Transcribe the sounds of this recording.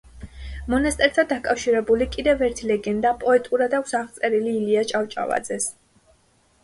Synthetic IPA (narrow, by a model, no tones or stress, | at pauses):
mɔnast̪ʼɛɾt̪ʰad̪akʼafʃiɾɛbulikʼid̪ɛvɛɾt̪ʰilɛɡɛnd̪apʼɔɛt̪ʼuɾad̪asaʁt̪sʼɛɾiliːliat͡ʃʼawt͡ʃʼa̰va̰d̪zɛs